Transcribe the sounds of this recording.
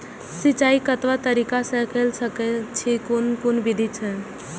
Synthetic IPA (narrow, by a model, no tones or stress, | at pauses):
sit͡ʃaikət̪ʋat̪əɾikasə̃kelsəkɛt͡ʃʰikonkunbid̪ʱit͡ʃʰɛ